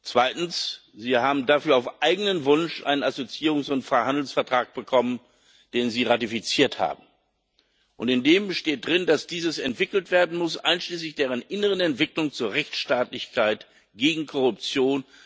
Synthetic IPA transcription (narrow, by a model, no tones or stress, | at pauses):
t͡sv̥aɪtn̩s | z̥iːhaːbm̩dafyːɐaʊfʔaɪɡənənvʊnʃʔa̰ɪnənazot͡siːʁʊŋsʊntfʁ̥aɪhandl̩sfɛɐtʁ̥aːk̚b̥əkʰɔmən | d̥eːnziːʁatifit͡siːɐtha̰ːbm̩ | ʔʊntɪndeːməʃteːt̚d̥ʁɪndasd̥iːzəsɛntv̥ɪkl̩tv̥eːɐdn̩mʊsʔa̰ɪnʃliːslɪçd̥eːʁənʔɪnəʁ̞ənɛntv̥ɪklʊŋt͡suːɐʁɛçt͡sʃtaːtlɪçkʰaɪt | ɡ̥eːɡŋ̩kʰɔʁʊp̚t͡sjoːn